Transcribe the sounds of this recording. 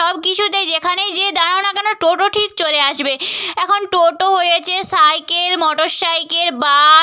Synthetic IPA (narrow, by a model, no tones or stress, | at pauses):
ɔb̚kit͡ɕʰud̪eɾd͡ʑekʰanejd͡ʑed̪aɾaonakɛnoʈoʈoʈʰik̚t͡ɕoɾeaʃbeɛkʰonʈoʈoɦojet͡ɕʰesajkelmɔʈoʃːajkeɾba